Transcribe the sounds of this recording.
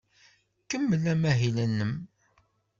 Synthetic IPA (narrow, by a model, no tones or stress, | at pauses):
kəmːəlæmæɦilænːəm